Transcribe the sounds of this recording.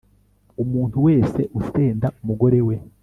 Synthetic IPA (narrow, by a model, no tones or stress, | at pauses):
umuːn̥tuwe̞ːse̞ʔuse̞ːndaumuɡo̞ɾe̞we̞